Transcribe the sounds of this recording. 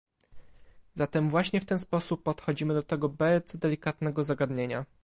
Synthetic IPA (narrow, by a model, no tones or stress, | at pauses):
zat̪ɛmvwaɕɲɛft̪ɛnspɔsupːɔt̪xɔd͡ʑimɘd̪ɔt̪ɛɡɔbɛzd̪ɛlʲikat̪nɛɡɔzaɡad̪ɲeɲa